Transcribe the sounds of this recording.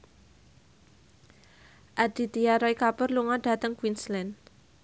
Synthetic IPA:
ʔad̥i̤t̪iaɾɔikapərluŋaɖ̥a̤t̪əŋkwinslɛn

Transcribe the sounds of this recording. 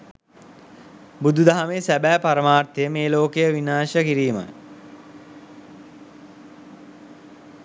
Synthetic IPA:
bud̪ud̪aɦameːsæbæːpaɾəmaːrt̪ejəmeːloːkejəʋinaːʃəkiɾiːmə̰j

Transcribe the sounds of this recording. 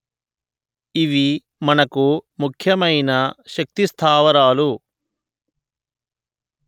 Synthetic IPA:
iʋi | mɐnɐkumukʰjɐmɐjnɐʃɐk̚t̪ist̪ʰaːʋɐɾaːlu

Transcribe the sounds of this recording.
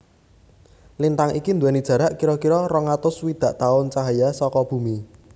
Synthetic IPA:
lint̪aŋikind̪uwɛnid̥ʒ̥ä̤ɾaʔkiɾɔkiɾɔrɔŋat̪ʊswid̪̥ä̤ʔt̪aʊnt͡ʃaɦajasɔkɔb̥ṳmi

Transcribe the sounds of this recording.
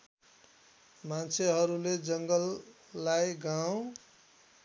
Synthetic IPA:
mant͡sʰeɦʌɾuled͡zʌŋɡʌlː | ajɡaw̃

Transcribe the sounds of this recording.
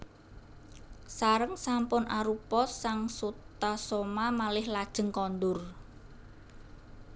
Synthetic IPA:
saɾəŋsampʊnʔaɾupɔsːaŋsut̪asɔmamalɪhlad̥ʒ̥ə̤ŋkɔnd̪ʊr

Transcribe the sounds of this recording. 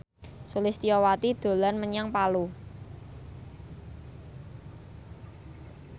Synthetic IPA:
sulɪst̪ijɔwat̪id̪̥o̤lanməɲaŋpalu

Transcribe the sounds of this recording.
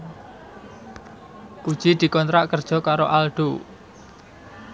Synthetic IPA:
kud̥ʒ̥id̪̥i̤kɔnt̪ɾaʔkərd̥ʒ̥ɔ̤kaɾoʔalɖ̥o

